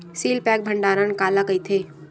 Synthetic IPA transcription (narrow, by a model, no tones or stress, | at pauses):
siːlpɛːk̚bʱə̃ɳɖaːɾankaːlaɡɐit̪ʰeː